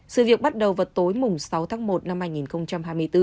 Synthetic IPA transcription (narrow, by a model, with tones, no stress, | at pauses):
sɨ̰˧˨vi˨˩ək̚ɓa˦˥t̚ɗə˨˩wvəː˨˩t̪o˨˦jmʊ˨˩ŋ͡msa˨˦wt̪ʰaː˨˦ŋmo˨˩t̚na˧mhaː˧jŋi˨˩nxə˧wŋ͡mt͡ɕa˧mɦaː˧jmɨ˧əjt̪ɨ˧